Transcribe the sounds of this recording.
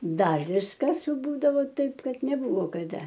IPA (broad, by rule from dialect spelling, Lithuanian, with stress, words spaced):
ˈdɐr ˈʋʲɪskɐs ˈbuːdɐʋoː ˈtɐɪp ˈkɐt nʲɛˈbʊʋoː kɐˈdɐ